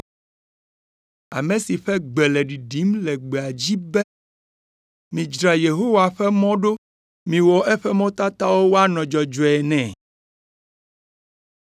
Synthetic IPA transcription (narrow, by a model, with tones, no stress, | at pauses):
a̰˨mɛ̃˨si˨ɸɛ˦ɡ͡bɛ˨lɛ˨ɖi˨ɖi˨˦mlɛ˨ɡ͡be˨a˨d͡ʑi˦bɛ˦ | mĩ˨d͡ʒɾa˨je˨ɦo˦wa˨ɸɛ˦mɔ̃˦ɖo˦ | mĩ˨wɔ˨ʔɛ˦ɸɛ˦mɔ̃˦t̪a˦t̪a˦wo˦wo˦a˦nɔ̃˨d͡ʒɔ˨d͡ʒɔ˨ɛ˨nɛ̃˨